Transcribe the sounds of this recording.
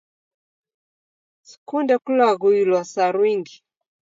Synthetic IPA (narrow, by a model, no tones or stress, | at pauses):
si̥kundɛkulaɣuilwasaɾwiŋɡi